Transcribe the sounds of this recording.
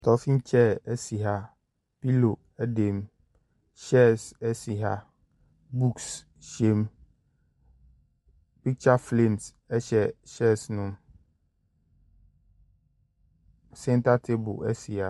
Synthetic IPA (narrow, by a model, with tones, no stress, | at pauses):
tʰɔ˨fĩ˦n˦t͡ɕʰɛ˦˨ɛ˦si˨ɦa˦ | pi˦lo˨ | ɛ˦de˨m | ʃɕɛ˦˨sɛ˦si˨ɦa˦ | bu˦ks | ʃe˦m | pi˦k̚t͡ʃa˦flẽ˦˨ms | ɛ˦ɕɛ˨ɕɛ˦snʊ̃˦m | sɛ̃˦n˦tʰa˦tʰe˦bʊ̰˨ɛ˦si˨a˨